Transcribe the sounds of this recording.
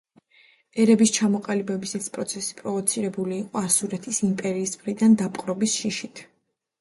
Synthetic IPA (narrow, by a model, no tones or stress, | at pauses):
ɛɾɛbist͡ʃʰamɔqʼalibɛbisɛt̪spʼɾɔt̪sʰɛsi̥pʼɾɔvɔt̪sʰiɾɛbuliːqʼɔasuɾɛt̪ʰisimpʼɛɾiːsmχɾid̪and̪apʼqʼɾɔbisʃiʃit̪ʰ